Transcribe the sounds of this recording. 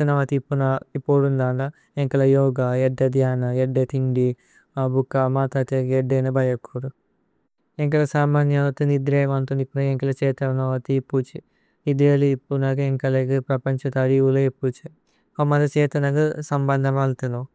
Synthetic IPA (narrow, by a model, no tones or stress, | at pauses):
ɐnɐʋɐt̪ipːunɐipːoːɽund̪aːɳɐ | eŋkɐlɐjɔːɡaeɖːɐd̪jaːnɐeɖːet̪ʰiŋɖi | abukːamaːt̪at̪ekeɖːenɐbɐjɐkʰːuɾu | eŋk̬ɐlɐsaːmaːnjɐʋɐt̪unid̪ɾeːʋɐnt̪unipːunɐeŋkɐlɐt͡ʃɛːt̪ɐnɐʋɐt̪ipːut͡ʃi | id̪eːlipːunɐkeŋkɐlɐkipɾɐpɐɲt͡ʃɐt̪ɐɾiʋulɐepːut͡ʃi | omːɐd̪ɐt͡ʃɛːt̪ɐnɐkɐsɐmbɐnd̪ʱɐmɐlt̪uno